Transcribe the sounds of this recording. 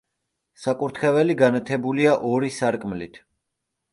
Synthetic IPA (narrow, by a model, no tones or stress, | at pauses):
sakʼuɾt̪ʰχɛvɛliɡanat̪ʰɛbuliaʔɔɾisaɾkʼmlit̪ʰ